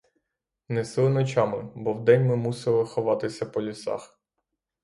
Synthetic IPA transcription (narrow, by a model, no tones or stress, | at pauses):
nɛsɪlˠɪnɔt͡ʃɑmɪbɔwd̪ɛnʲmɪmusɪlˠɪxɔʋɑt̪ɪsʲɐpɔlʲisɑ̰x